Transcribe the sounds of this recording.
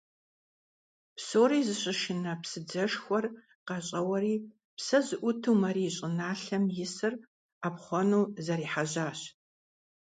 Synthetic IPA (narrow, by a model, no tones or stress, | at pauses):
psoːɾiːzɨɕʼɪʃɪnɐpsɨd͡zɐʂxʷɔr | qɑɕʼɐwɐɾiː | psɐzɨʔʷʊtʰuːmɐriːɕʼɪnaːɬɐmjɪsɨr | aːpχʷɔnuːzɐɾiːħaʑaːɕ